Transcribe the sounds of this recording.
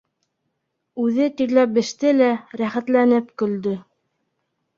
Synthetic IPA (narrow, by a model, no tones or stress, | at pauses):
ʉðɘt̪iɾlæp̚bɘ̆ʃt̪ɘlæɾæχæt̪lænɘpkɵ̆ld̪ɵ